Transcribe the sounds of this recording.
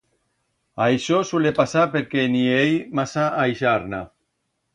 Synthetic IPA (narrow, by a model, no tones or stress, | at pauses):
ajʃosulepasapeɾkeniejmasaajʃaɾna